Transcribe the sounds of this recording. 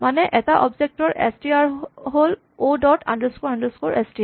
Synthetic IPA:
manɛʔɛtaʔɔbzek̚tɔɹʔɛ̰stiaɹɦol | odɔtʰa̰ndəskoɹandəskoɹʔɛstia

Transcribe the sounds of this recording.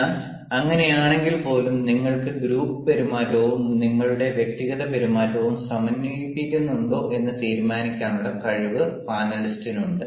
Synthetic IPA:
ɐŋːɐne̞jaːɳe̞ŋɡilpo̞ːlumniŋːɐɭkɨɡɾuːpːɨpɐɾumaːɾoːʋumniŋːɐɭuɽe̞ʋje̞k̚t̪iɣɐðɐpɐɾumaːɾoːʋumsɐmɐnːiipːikʲːunːuɳɖo̞ːʔe̞nːɨt̪iːɾmaːnikʲːaːnuɽɐkɐɻiʋɨpaːnɐlistinuɳɖɨ

